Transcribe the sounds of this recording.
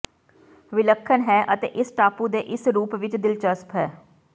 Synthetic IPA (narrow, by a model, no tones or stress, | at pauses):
ʋɪləkʰːənɦɛːʔət̪ḛːʔɪsʈaːpũd̪eːʔɪsɾuːpʋɪt͡ʃd̪ɪlt͡ʃəspʰɦɛː